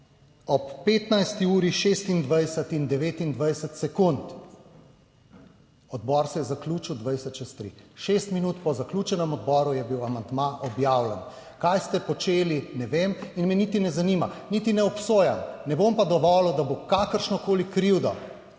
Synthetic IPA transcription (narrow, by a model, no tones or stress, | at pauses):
ɔpːeːt̪najst̪iuːɾiʃest̪ind̪ʋajsət̪ind̪ɛʋeːt̪ind̪ʋajsət̪sɛkunt̪ | ɔd̪bɔːɾsɛjɛzakluːt͡ʃiwd̪ʋajsət̪t͡ʃɛst̪ɾḭʃest̪minuːt̪pɔzakluːt͡ʃɛnɛmɔd̪bɔːɾujɛbiwamand̪maʔɔbjawlɛn | kajst̪ɛpɔt͡ʃeːlinɛʋeminmɛnit̪inɛzaniːmanit̪inɛɔpsoːjamnɛbompad̪ɔʋɔːlɔd̪abokakəɾʃnɔkoːlikɾiwd̪ɔ